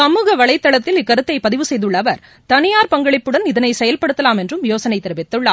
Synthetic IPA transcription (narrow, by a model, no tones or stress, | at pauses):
ɐmuːɣɐʋɐɭɐɪt̪ːɐɭɐt̪ːɪlɪkːɐɾɯt̪ːɐɪpɐðɪʋɯsɛjðɯɭːɐʋɐɾ | t̪ɐnɪjaːɾpɐŋɡɐɭɪpːɯɽɐnɪðɐnɐɪsɛjɐlpɐɽɯt̪ːɐlaːmɛndrɯmjoːsɐnɐɪt̪ːɪɾɯʋɪt̪ːɯɭːa̰ː